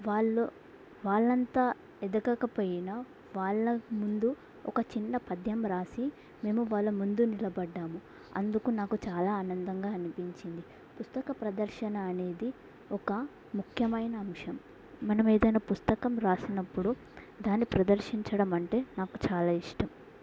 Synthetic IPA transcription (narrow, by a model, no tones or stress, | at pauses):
ʋaːɭːu | ʋaːɭːɐnt̪aː | ɛd̪ɐkɐkɐpoːjinɐ | ʋaːɭːɐmund̪u | ɔ̰kɐt͡ʃinːɐpɐd̪ʱjɐmɾaːsi | me̞ːmuʋaːɭːɐmund̪unilɐbɐɖːaːmu | ɐ̰nd̪ukunaːkut͡ʃaːlaːnɐnd̪ɐŋɡaːnipiɲt͡ʃind̪i | pust̪ɐkɐpɾɐd̪ɐɾʃɐnɐːne̞ːd̪i | ɔkɐ | mukʰjɐmɐjnɐːmʂɐmː | ɐnɐme̞ːd̪ɐjnɐːpust̪ɐkɐmɾaːsinɐpːuɽu | d̪aːnːipɾɐd̪ɐɾʂiɲt͡ʃɐɽɐmɐɳʈe̞ːnaːkut͡ʃaːlaːiʂʈɐm